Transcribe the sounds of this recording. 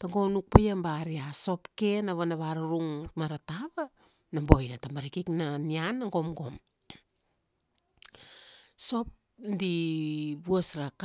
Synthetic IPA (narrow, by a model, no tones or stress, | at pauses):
taŋɡo̞nuk̚pajambaɾiaso̞pkenaβanaβaɾaɾuŋmaɾataβa | nambo̞jnatambaɾikiknanianːaŋɡo̞mɡo̞m | so̞p̚ | ndibuosɾak